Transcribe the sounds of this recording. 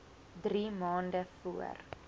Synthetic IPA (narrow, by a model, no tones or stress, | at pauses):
drimɑːndəfuə̰r